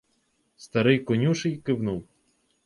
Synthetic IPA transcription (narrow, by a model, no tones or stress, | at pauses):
st̪ɐɾɪjkɔnʲuʃɪjkɪwnuw